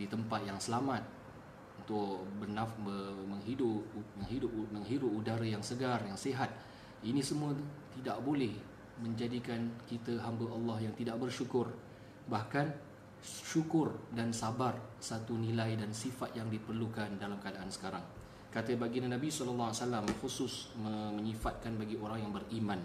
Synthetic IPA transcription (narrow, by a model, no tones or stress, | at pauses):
dit̪əmpat̪̚jaŋsəlamat̪̚ | unt̪ʊʔbərnafəməŋɦidʊpəŋɦidʊp̚məŋɦidʊp̚udaɾəjaŋsəɡarjaŋseɦat̪̚ | inĩsəmũət̪t̪idaʔ̚bolɛh | mə̃ɲd͡ʒadikankit̪əɦambəʔɑlːɑhjaŋt̪idaʔ̚bərʃukʊr | bahkan | ʃukʊrdansabarsat̪unĩlajdansifat̪̚jaŋdipərlukandalamkadaʔansə̥kaɾaŋ | kat̪əbaɡinanãbisɔləlːɔaasalamxusʊsməmə̃ɲĩfat̪̚kanbaɡioɾaŋjaŋbərimãn